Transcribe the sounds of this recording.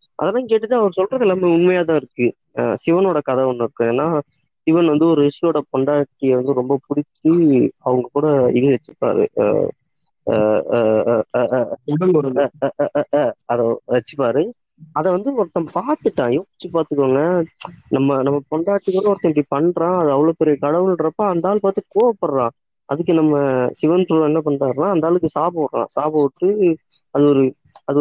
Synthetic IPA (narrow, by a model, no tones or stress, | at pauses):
ʔɐ̰ðɛlːãːkeːʈːɯʈːɯɐʋɐɾɯsɔlrɐðɛlːaːmeʊnmɐjaːt̪ãːɪɾɯkːɯ | sɪʋɐnoːɽɐkɐðɐɔnːɯ̃ɪɾɯkːɯ̃eːnːaː | sɪʋɐnʋɐnd̪ɯɔɾɯɪʂɪjoːɽɐpɔɳɖaːʈːiʋɐnd̪ɯɾɔmbɐpʊɽɪt͡ʃːɯɐʋɐŋɡɐkuːɽɐɪðiʋɛt͡ʃːɯ̥pa̰ːɾɯ̰ | ʊɽɐŋɔɾɐɐ | ɐðɛʋɛt͡ʃːɯpaːɾɯ | ɐðɛʋɐnd̪ɯɔɾɐt̪ːɐ̃paːɾt̪ɯʈːãːjo̥ːt͡ʃːɯpaːɾt̪ɯkːʋoːŋɡɐnɐmːɐnɐmːɐpɔɳɖaːʈːɯkːuːɽɐʋɔɾɐt̪ːɐ̃ɪpɐɽipɐɳɾãːɐðɯɐʋɐɭoːpɛɾɪjɐkɐɽɐʋɯlɳɾɐpːaɐnd̪aːlpaːɾt̪ːɯkoːʋɐpːɐɾɾãː | ʔɐ̰ðɯk̬ːɯnɐmːɐsɪʋɐnʈɾuːɛnːɐpɐɳɾaːɾɯnaːɐnd̪aːlɯkːɯsaːbɐɐɾɾã̰ːsaːbɐʋɯʈːɯ | ɐðɯɔɾɯ | ɐðɯ